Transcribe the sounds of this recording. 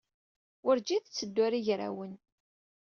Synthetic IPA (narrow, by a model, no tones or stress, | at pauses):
ʊɾd͡ʒiθət͡sːəd̪ːwaɾiʝɾa̰wən